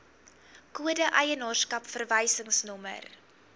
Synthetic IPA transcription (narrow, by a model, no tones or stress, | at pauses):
kuədəʔəjənɑːrskɐpfərvəjsəŋsnɔmə̰r